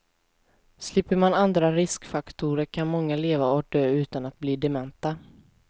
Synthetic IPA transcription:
slɪpːəɾmanand̪ɾaɾɪskfakt̪ʰuɾəɾkʰanmɔŋːaleːvaɔk̚d̪øːʉ̟ːt̪anat̪̚bliːd̪ɛmɛnt̪a

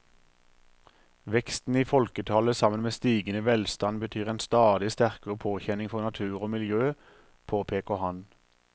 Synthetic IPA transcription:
ʋɛkst̪n̩iːfɔlkət̪ʰɑləsɑmənmeːst̪iːɡənəʋɛlst̪ɑnbət̪ʰyːʁeːnst̪ɑːd̪ɪst̪æʁkəʁəpʰoːçɛnɪŋfɔʁnɑt̪ʰʉːʁoːmɪljøː | pʰoːpʰeːkəhɑn

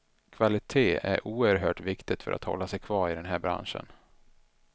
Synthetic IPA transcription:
kʰvalɪt̪ʰeːæɾʔuːəɾɦœːʈvɪkt̪ɪt̪fœɾʔa̰t̪hɔ̰lːasɛjkʰvɑːɾɪd̪ɛnɦæːɾbɾa̰nʂə̰n

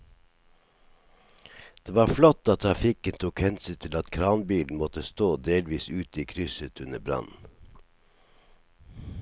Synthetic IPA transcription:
d̪̥eːʋɑːflɔt̪ɑːt̪ʰɾɑfɪkənt̪ʰuːkhɛnsʏt̪ʰɪlɑt̪kʰɾɑːnbiːln̩mɔt̪əst̪oːd̪eːlʋiːsʉːt̪əiːkʰɾʏsət̪ʉnəbɾɑ̰nn̩

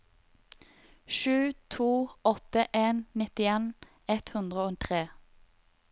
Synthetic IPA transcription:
ʃʉːt̪ʰuːɔt̪əʔeːnnɪt̪ɪeːn | ɛt̪hʉnd̪ʁəoːt̪ʰʁeː

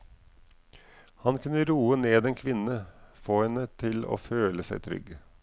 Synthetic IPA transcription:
hɑnkʉnəɾuːəneːd̪eːnkʰʋɪnəfoːhɛnət̪ʰɪlo̰ːføːləsæɪt̪ʰɾʏ̰ɡ

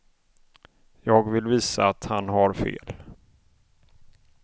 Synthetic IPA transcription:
jɑːɡvɪlviːsa̰ːt̪hanɦaɾfḛːl

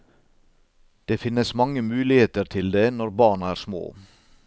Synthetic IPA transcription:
d̪̥eːfɪnəsmɑŋəmʉːlɪheːt̪əɾt̪ʰɪld̪eːnɔɾbɑːɳæːɾsmo̰ː

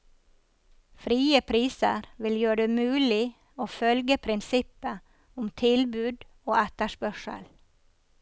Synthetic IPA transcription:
fɾiːəpʰɾiːsə̰ɾʋɪljøːɖeːmʉːlɪ | oːfœlɡəpʰɾɪnsɪpə | ʊmt̪ʰɪlbʉːd̪ | oːæt̪əʃpœʃə̰l

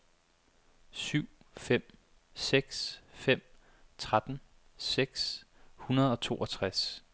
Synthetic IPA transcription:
syʊ̰ | fem̰ | seɡ̥sfem̰ | t͡sʰʁad̥n̩ | seɡ̥shunɐð̞̩ˠɒ̽t͡sʰo̝̰ːɒt͡sʰʁas

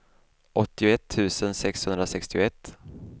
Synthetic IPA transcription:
ʔɔt̪ːɪʊɛt̪ʰːʉ̟ːsənsɛkshɵnd̪ɾasɛkst̪ɪʊɛt̪ː

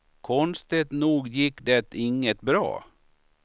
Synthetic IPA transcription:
kʰɔnst̪ɪt̪nuːɡjɪkːd̪ɛt̪ɪŋət̪bɾɑ̰ː

